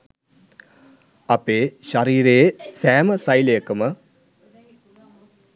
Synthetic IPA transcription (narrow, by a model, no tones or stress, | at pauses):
ɐpeːʃaɾiːɾesæːməsajləjəkəmə